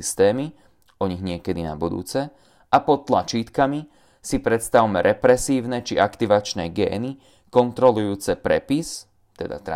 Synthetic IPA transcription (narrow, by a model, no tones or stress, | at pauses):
ist̪ɛːmi | ɔɲiɣɲɪɛkɛd̪ina̰bud̪ṵːt͡sɛ | ʔapɔt̪t̪ːlat͡ʃiːt̪kami | sipɾɛt̪st̪aʊmɛɾʔɛpɾɛsiːʊnɛt͡ʃiʔakt̪iʋat͡ʃnɛɡɛ̰ːni | kɔnt̪ɾɔlujuːt͡sɛpɾɛpis | t̪ɛd̪a̰t̪a̰